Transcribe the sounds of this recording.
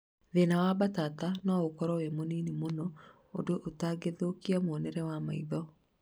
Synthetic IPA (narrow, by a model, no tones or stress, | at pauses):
ðenawabatatanɔokɔɾɔwemoninemonɔ | odoʔotaɡeðokiamoɔnɛɾɛwamaiðɔ